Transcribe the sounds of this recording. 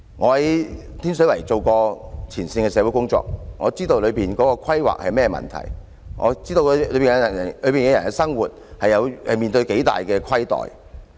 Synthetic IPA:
ŋɔː˨˧hɐ˨˥j | t̪ʰiː˥ns̬ɵ˨˥ɥlɐ˨˩jt͡so˨wkɔː˧t͡sʰiː˨˩nsɪ˧ŋɛː˧sɛː˨˧wu˨˥jkʊ˥ŋt͡sɔ̰ː˨k̚ŋɔː˨˧t͡siː˥t̪o˧wlɵ˨˧ɥpiː˨nkɔː˨˥kɔː˧kʰɐ˥jwa̰ː˨k̚hɐ̰˨jmɛː˥mɐ̰˨nt̪ʰɐ̰˨˩j | ŋʔɔ̰ː˨˧t͡siː˥t̪o˧wlɵ˨˥ɥpi˨n˧ɐ˨˩ɐ˨˩lɵ˨˧ɥpi˨nkɐ˧jɐ˨˩nɛ˧sɐ˥ŋwuː˨t̚hɐ˨jːɐ˨˧whɐ˨jmiː˨nt̪ɵ˧ɥke˨˥jt̪a̰ː˨jkɛː˧kʰɐ˥jt̪ɔ̰ː˨j

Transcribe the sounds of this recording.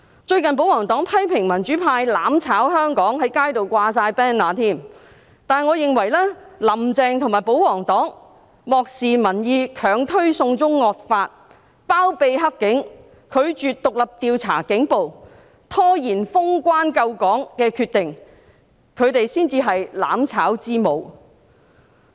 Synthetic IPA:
t͡ʃɵ˧ɥkɐ˨np̬o˨˥wɔː˨˩ŋt̪ɔː˨˥ŋpʰɐ˥jpʰɪ˨˩ŋmɐ˨˩nt͡ʃyː˨˥pʰaː˧jlaː˨˥mt͡sʰaː˨˥whœː˥ŋkɔː˨˥ŋɦɐ˨˥jkaː˥jt̪o˨wkʷaː˧saː˧jpɛː˥nlaː˨˧t̪ʰiː˥˩m | t̪aː˨nŋɔː˨˧jɪ˨ŋwɐ˨˩jlɛː˥lɐ˨˩mt͡sɛː˨˧ŋt̪ʰʊ˨˩maː˨jpo˨˥wwɔː˨˩ŋt̪ɔː˨˥ŋ | mɔː˨k̚siː˨mɐ˨˩njiː˨˧kʰœː˨ŋt̪ʰɵ˥ɥsʊ˧ŋt͡sʊ˥ŋːɔː˨t̚faː˧t̚ | paː˥wpe˧jɦɐ˥kːɪ˨˥ŋ | kʰɵ˨˧ɥt͡ʃyː˨t̚t̪ʊ˨k̚lɐ˨p̚t̪iː˨˧wt͡sʰa̰ː˨˩kɪ˨˥ŋpo˨w | t̪ʰɔː˥jiː˨˩nfʊ˥ŋkʷaː˥nkɐ˧wkɔː˨˥ŋkɛː˧kʰyː˧t̪ɪ˨ŋ | kʰɵ˨˧ɥt̪e˨jsiː˥nt͡siː˧ɦɐ˨jla̰ː˨˧˥mt͡sʰaː˨˥wt͡siː˥mo˨˧w

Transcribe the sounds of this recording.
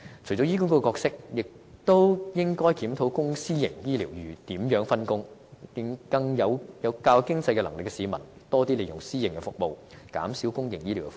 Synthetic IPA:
t͡ʃʰɵ˨˩jt͡sɔ˨˥jiː˥ku˥kɔ˥ɛ˧kɔː˧k̚sɪ˥k̚jɪ˨k̚ | t̪o˥wjɪ˥ŋkɔː˥jkiː˨˥mt̪ʰo˨˥wkʊ˥ŋsiː˥jɪ˨˩ŋjiː˥liː˨˩wjyː˨˩t̪iː˨˥mjœː˨˥ŋfɐ˥nkʊ˥ŋjɪ˧ŋkɐ˧ŋjɐ˨˧wjɐ˨˧wkaː˧wkɪ˥ŋt͡sɐ˧jkɛ˧lɐ˨˩ŋlɪ˨kːɛ˧siː˨˧mɐ˨˩n | t̪ɔː˥t̪iː˥le˨˧jʊ˨˩ŋsiː˥jɪ˨˩ŋkɛ˧fʊ˨k̚mo˨˧wka̰ː˨˥msiː˨˥wkʊ˥ŋjɪ̰˨˩ŋjiː˥li˨˩wkɛ

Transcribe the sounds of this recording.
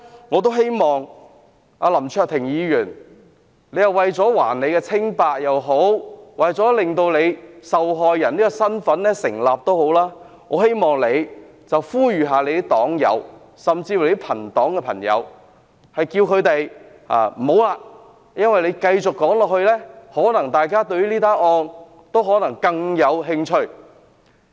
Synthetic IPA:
ŋɔː˨˧t̪̬o˥wɦe˥jmɔː˨ŋ | ʔaː˧lɐ˨˩mt͡ʃʰœː˧k̚t̪ʰɪ˨˩ŋjiː˨˧jyː˨˩n | le˨˧jɐ˨˧wɐ˨jt͡sɔː˨˥waː˨˩nne˨˧jkɛː˧t͡sʰɪ˥ŋpaː˧k̚jɐ˨wɦo˨˥wwɐ˨jt͡sɔː˨˥lɪ˨ŋt̪o˧wle˨˧jsɐ˨wɦɔː˨jːɐ˨˩niː˥kɔ˧sɐ˥nfɐ˨˥nlɛː˥sɪ˨˩ŋlaː˨p̚t̪o˥who˨˥wlaː˥ | ŋɔː˨˧he˥jmɔː˨ŋle˨˧j | t͡sɐ˨wfuː˥jyː˨ɦaː˨le˨˧jd̪i˥t̪ɔː˨˥ŋjɐ̰˨˧w | sɐ˨mt͡siː˧fu˨˩le˨˦˥pʰɐ˨˩nt̪ɔː˨˥ŋkɛː˧pʰɐ˨˩ŋjɐ̰˨˧w | hɐ˨jkiː˧wkʰɵ˨˧ɥt̪e˨j | a̰ː˨˩m̩˨˩ho˨˥wlaː˧ | jɐ˥nwɐ˨jle˨˧jkɐ˧jt͡sʊ˨kːɔː˨˥ŋlɔː˨k̚hɵ˧ɥlɛː˥hɔː˨˥nɐ˨˩ŋt̪aː˨jkaː˥t̪ɵ˧ɥy˥liː˥t̪aː˥nɔː˧n | t̪o˥wɦɔː˨˥nɐ˨˩ŋkɐ˧ŋjɐ˨˧wɦɪ˧ŋt͡ʃʰɵ˧ɥ

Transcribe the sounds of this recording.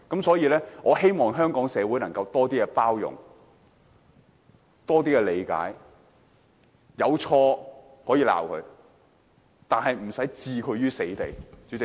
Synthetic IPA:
kɐ˨˥msɔː˨˥jiː˨˧lɛː˥ŋʔɔː˨˧ɦe˥jmɔː˨ŋɦœː˥ŋkɔː˨˥ŋsɛː˨˧wu˨˥jnɐ˨˩ŋkɐ˧wt̪ɔː˥t̪iː˥kɛ˧paː˥wjʊ̰˨ŋ | t̪ɔː˥t̪iː˥kɛː˧le˨˧jka̰ː˨˥j | jɐ˨˧wt͡ʃʰɔː˧ | hɔː˨˥jiː˨˧la̰ː˨˩wkʰɵ̰˨˧˥ | t̪aː˨nɦɐ˨jm̩˨˩sɐ˨˥jt͡siː˧kʰɵ˨˧ɥjyː˥se˨˥jt̪e˨jt͡sy˨˧˥t͡sɪ˨

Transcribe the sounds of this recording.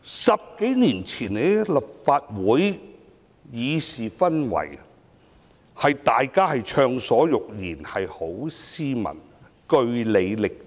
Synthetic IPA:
sɐ˨p̚ke˨˥jniː˨˩nt͡sʰiː˨˩ne˨˧˥lɐ˨p̚faː˧t̚wuː˨˥j | jiː˨˧siː˨fɐ˥nwɐ̰˨˩j | hɐ˨jt̪aː˨jkaː˥hɐ˨jt͡ʃʰœː˧ŋsɔː˨˥jʊ˨k̚jiː˨˩nhɐ˨jho˨˥wsiː˥mɐ̰˨˩n | kɵ˧ɥle˨˧jlɪ˨k̚

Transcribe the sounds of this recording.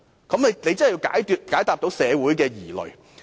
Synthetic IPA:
kɐ˨˥mne˨˧jne˨˧t͡sɐ˥nː˥˨˩ji˧wka̰ː˨˥jt̪yː˧t̚kaː˨˥jt̪aː˨˧p̚t̪o˨˥wsɛː˨˧wuː˨˥jkɛː˧jiː˨˩lɵ̰˨ɥ

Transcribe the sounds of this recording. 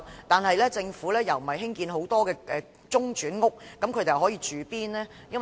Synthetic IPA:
t̪aː˨nhɐ˨jlɛː˥t͡sɪ˧ŋfuː˨˥lɛː˥jɐ˨wm̩˨˩hɐ˨jɦɪ˥ŋkiː˧nɦo˨˥wt̪ɔː˥kɛː˧ʔɛː˧ | t͡sʊ˥ŋt͡ʃyː˨˥nŋʊ˥k̚ːɐ˨˥mkʰɵ˧t̪e˨jɐ˨˩ɦɔː˨˥jiː˧t͡ʃyː˨˧piː˥nɛː˥ | jɐ˥n

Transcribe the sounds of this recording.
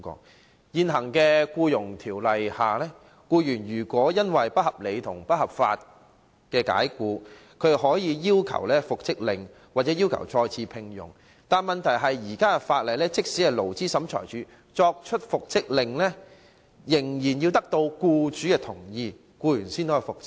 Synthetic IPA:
kɔ̰ː˧˥ | jiː˨nɦɐ˨˩ŋkɛː˧kuː˧jʊ˨˩ŋt̪ʰiː˨˩wlɐ˨jhaː˨lɛː˥ | kuː˧jyː˨˩njyː˨˩kʷɔː˨˥jɐ˥nwɐ˨jpɐ˥t̚hɐ˨p̚le˨˧jt̪ʰʊ˨˩ŋpɐ˥t̚hɐ˨p̚fa̰ː˧t̚ | kɛː˧ka̰ː˨˥jkuː˧ | kʰɵ˨˧˥ɦɔː˨˥jiː˨˧jiː˥wkʰɐ̰˨˩wlɛː˥fʊ˨k̚t͡sɪ˥k̚lɪ˨ŋ | waː˨˩t̚t͡sɛː˨˥jiː˥wkʰɐ̰˨˩wt͡sɔː˧jt͡sʰiː˧pʰɪ˧ŋjʊ̰˨˩ŋ | t̪aː˨˩nmɐ˨nt̪ʰɐ˨˩jɦɐ˨jːiː˨˩kaː˥ɛ˨faː˧t̚lɐ˨jlɛː˥t͡sɪ˥k̚si˨˥ɛ˨lo˨˩wt͡siː˥sɐ˨˥mt͡ʃʰɔ̰ː˨˩jt͡ʃyː˨˥ | t͡sɔː˧k̚t͡ʃʰɵ˥t̚fʊ˨k̚t͡sɪ˥k̚lɪ˨ŋlɛː˥ | jɪ˨˩ŋjiː˨˩njiː˧wt̪ɐ˥k̚t̪o˧wkuː˧t͡ʃyː˨˥kɛː˧t̪ʰʊ˨˩ŋjiː˧ | kuː˧jyː˨˩nsiː˥nt̪o˥ɐ˨˩fʊ˨k̚t͡sɪ˥

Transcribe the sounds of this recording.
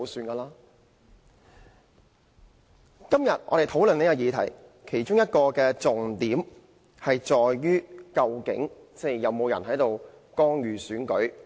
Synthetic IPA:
syː˧nkaː˧laː˥ | kɐ˥mjɐ˨t̚ʔɔ̰˨˧ɾe˨jt̪ʰo˨˥wlɵ˨n˥ka˧jiː˨˧t̪ʰɐ̰˨˩j | kʰe˨˩jt͡ʃʊ˥ŋjɐ˥t̚kɔː˧kɛː˧t͡sʊ˨ŋt̪iː˨˥m | hɐ˨jt͡sɔː˨jːyː˥kɐ˧wkɪ̰˨˥ŋ | t͡sɛ˥˩jjɐ˨˧wmo˨˧wjɐ˨˩nhɦɐ˨˥jt̪o˨w | kɔː˥ŋjyː˨syː˨˥nkɵ˨˥ɥ

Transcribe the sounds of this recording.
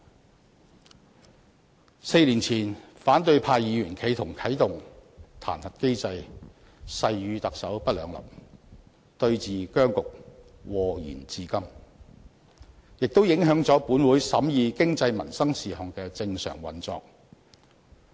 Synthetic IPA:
se˧jliː˨˩nt͡sʰiː˨˩nfaː˨˥nt̪ɵ˧ɥpʰaː˧jjiː˨˧ɥyː˨˩nkʰe˨˧jt̪ʰʊ˨˩ŋkʰɐ˨˥jt̪ʊ˨ŋt̪ʰa̰ː˨˩nhɐ˨t̚ke˥jt͡sɐ˧j | sɐ˧jjyː˨˧t̪ɐ˨k̚sɐ˨˥wpɐ˥t̚lœː˨˧ŋlɐ̰˨˩wp̚ | t̪ɵ˧ɥt͡siː˨kœː˥ŋkʊ˨k̚ | wɔː˨˩jy̰ː˨˩nt͡siː˧kɐ˥m | jɪ˨k̚t̪o˥wjɪ˨˥ŋɦœː˨˥ŋt͡sɔː˨˥puː˨˥nwuː˨˥jsɐ˨˥mjiː˨˧kɪ˥ŋt͡sɐ˧jmɐ̰˨˩nsɐ˥ŋsiː˨˩hɔː˨ŋkɛː˧t͡sɪ˧ŋsœ̰ː˨˩ŋwɐ̰˨nt͡sɔ̰ː˧k̚

